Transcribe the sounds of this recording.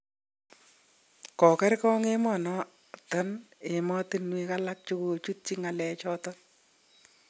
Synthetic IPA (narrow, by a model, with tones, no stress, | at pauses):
kɔ˨kɛ˦ɾkɔ˦ŋe˦mɔ˨nɔ˦ | tɔ˦ne˨mɔ˦tɪ˦nwi˦ka˦la˦k̚t͡ʃu˦ko˨t͡ʃu˦t̚t͡ʃi˦ŋa˨lɛ˨t͡ʃɔ˦tɔ˦